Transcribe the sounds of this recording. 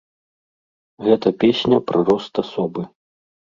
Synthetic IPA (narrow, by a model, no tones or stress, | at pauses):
ɣɛt̪ɐpʲesʲnʲɐpɾʔaɾɔst̪asɔbɨ